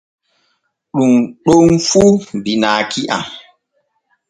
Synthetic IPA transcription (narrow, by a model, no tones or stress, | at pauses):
ɗuŋɗoŋmfudinaːkiʔa̰